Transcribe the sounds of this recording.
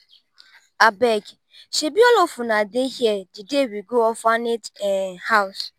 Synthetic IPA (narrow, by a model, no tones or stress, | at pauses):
abɛɡ | ʃebiɔlɔfʊnadehjɛdɪdewiɡoɔfanethaʊs